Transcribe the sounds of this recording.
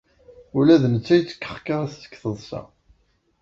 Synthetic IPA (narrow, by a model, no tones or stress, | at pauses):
ulæðnət͡sːæjət͡sːə̥kːə̥χkaʁast͡sːə̥kːθəðˤsæ̰